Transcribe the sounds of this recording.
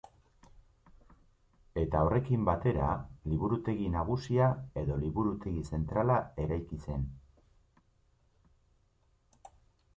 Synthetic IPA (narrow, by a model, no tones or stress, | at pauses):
e̞t̪ao̞re̞kimbat̪e̞ɾa̰liβuɾut̪e̞ɣinaɣ̞usiae̞ðo̞liβuɾut̪e̞ɣise̞nt̪ɾalae̞ɾajkise̞n